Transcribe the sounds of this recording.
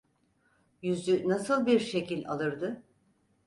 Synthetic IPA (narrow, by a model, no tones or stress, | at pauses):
jyzʲynasɯlˠbiɾʃe̞cilʲalˠɯɾd̪ɯ